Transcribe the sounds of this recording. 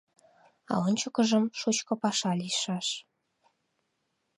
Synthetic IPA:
ɑ̰onʲt͡ɕokə̆ʒəmʃot͡ɕkɤ̆pɑʃɑliʃɑʃ

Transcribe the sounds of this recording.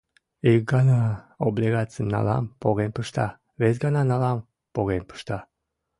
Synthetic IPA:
ik̚ɡɑnɑoblʲiɣat͡sɨəmnɑ̰lɑ̰mpoɣenpəʃt̪ɑ̰ | βes̬ɡɑnɑnɑlɑm | poɣenpə̥ʃt̪ɑ

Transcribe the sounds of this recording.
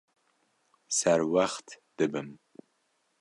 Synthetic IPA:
saɾwaχtʰd̪̥ɨbɨm

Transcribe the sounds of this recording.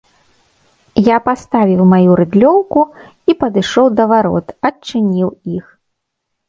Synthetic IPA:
japast̪avʲiwmajuɾɨd̪lʲɔwku | ipɐd̪ɨʂɔwd̪ɐvaɾɔ̰t̪ɐt͡ʂːɨnʲiwix

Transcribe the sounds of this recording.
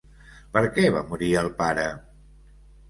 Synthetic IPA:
pəɾkɛβa̰muɾiəlˠpaɾə

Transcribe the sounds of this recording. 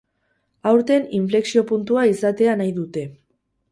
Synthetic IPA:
awɾt̪e̞niɱfle̞ksio̞punt̪uaisat̪e̞anajðut̪e̞

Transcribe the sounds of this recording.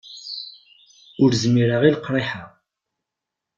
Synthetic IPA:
ʊɾzmiɾəʁilqɾˤeħaʁ

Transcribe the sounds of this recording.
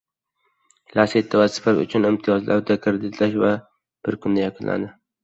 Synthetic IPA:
laset̪ʰːavasɪ̥fafʊ̰t͡ʃʰʊnɪmt̪ʰɪjɒzlʔaɾd̪akʰɪɾd̪ɪt̪laʃva | b̥ɪɾkʰʊnd̪ajaqʰʊnlʔa̰d̪ɪ

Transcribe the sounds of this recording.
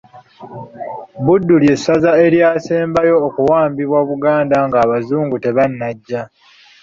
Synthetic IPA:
budːulje̞sːazae̞ɾjaːse̞ːmbajo̞ːkuwaːmbiβwaβuɡaːndaŋɡaːβazuːŋɡute̞βanːaɟːa

